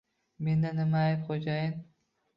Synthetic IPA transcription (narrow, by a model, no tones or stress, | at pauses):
me̞nd̪anɪmaːjɪpqʰod͡ʒajɪn